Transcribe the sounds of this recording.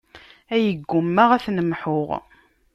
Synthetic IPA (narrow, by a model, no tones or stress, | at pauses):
æjəɡːʊmːaʁæθnəmħʊʁ